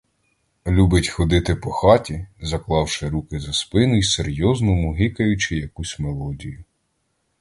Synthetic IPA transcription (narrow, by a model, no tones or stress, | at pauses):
lʲubɪtʲxɔd̪ɪt̪ɪpɔxɑtʲizɐklˠɑwʃɪɾukɪzɐspɪnʊjseɾʲjɔznʊmʊɦɪkɐjʊt͡ʃɪjɐkusʲmelˠɔdʲijʊ